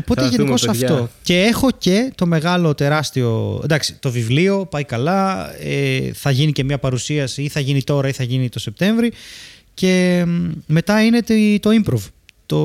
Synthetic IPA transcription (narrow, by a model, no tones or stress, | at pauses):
opo̞t̪eʝeiko̞sɐft̪oce̞e̞xo̞ce̞t̪o̞me̞ɣɐlo̞t̪e̞ɾɐst̪io̞̰nd̪ɐksi̥t̪o̞vivlio̞pɐjkɐlɐeθɐʝinice̞mɲɐpɐɾusiɐsiiθɐʝinit̪o̞ɾɐiθɐʝinit̪o̞se̞p̚t̪e̞ɱvɾi | ce̞ | me̞t̪ɐine̞t̪t̪o̞impɾovt̪o